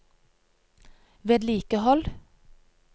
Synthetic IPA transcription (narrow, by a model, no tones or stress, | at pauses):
ʋeːd̪liːkəhɔl